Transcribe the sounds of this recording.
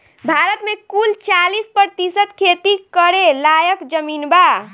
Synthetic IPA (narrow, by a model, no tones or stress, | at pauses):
bʱaɾət̪mekult͡ʃalispəɾt̪isət̪kʰet̪ikəɾelajəkd͡ʒəminba